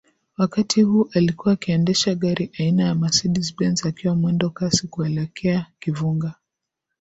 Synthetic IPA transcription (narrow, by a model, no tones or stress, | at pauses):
wakatʰihuːʔalikuwaːkiɛndɛʃaɠaɾʔiʔainajamasiɗisɓɛnzakiwamwɛndɔkasikuɛlɛkʰɛakivuŋɡa